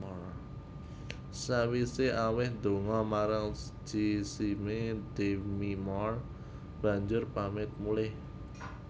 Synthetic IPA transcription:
ɔr | sawiseawɪhd̪̥o̤ŋɔmaɾaŋd͡ʒ̥isimed̪̥emimɔr | b̥ä̤ɲd͡ʒʊrpamɪt̪̚mulɪh

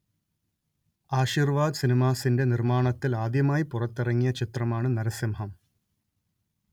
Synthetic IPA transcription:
aːɕiːrʋaːd̪ɨsinimaːsinde̞nirmaːɳɐt̪ːilaːd̪jɐmaːjipurɐt̪ːirɐŋːijɐt͡ɕit̪rɐmaːɳɨnɐɾɐsjɐmɦɐm

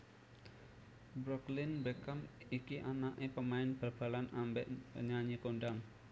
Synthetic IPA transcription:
bɾɔklɪnbekamikiʔanaʔepəmaɪnb̥ərb̥a̤lanambɛʔɲaɲikondam

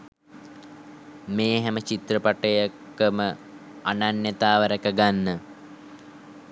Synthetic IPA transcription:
meːɦæmət͡ʃit̪ɾəpaʈəjakː | əmə | ananjət̪aːʋəɾəkəɡanːə

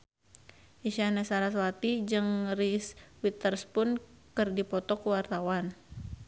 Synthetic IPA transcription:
ʔiʃanasaɾaswat̪id͡ʒɨŋriswit̪ərspʊnkɨrdipɔt̪ɔkuwart̪awan

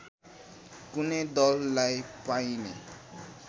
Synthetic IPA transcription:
kuned̪ʌlːajpajnḛ

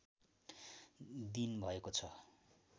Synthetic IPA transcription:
d̪inbʱʌekot͡sʰʌ

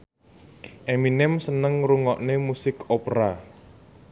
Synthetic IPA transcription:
ʔeminɛmsənəŋɾuŋɔʔnemusɪkopɾa

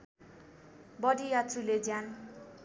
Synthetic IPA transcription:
bʌɽijat̪ruled͡zjan

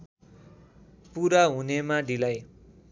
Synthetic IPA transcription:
puɾaɦunemaɖilaj

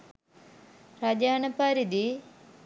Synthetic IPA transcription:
ɾad͡ʒaːnɐpaɾid̪i

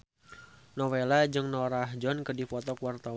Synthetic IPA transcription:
nɔwelad͡ʒɨŋnɔɾaɦd͡ʒɔnkɨdifɔt̪ɔkwart̪a

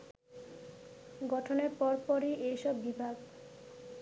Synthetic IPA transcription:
ɡɔʈʰoneɾpɔɾpɔɾiʔejʃɔbːibʱaɡ

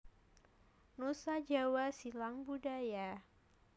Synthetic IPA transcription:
nusad͡ʒawasilaŋbudaja

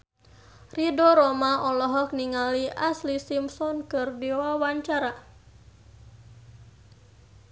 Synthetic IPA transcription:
ridɔɾɔmaʔɔlɔɦɔk̚niŋaliʔaslisimsɔnkɨrdiwawaɲt͡ʃaɾa

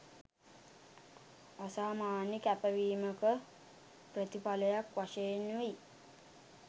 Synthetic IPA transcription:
əsaːmaːnikæpəʋiːməkə | prət̪ipaləjakʋaʃenui

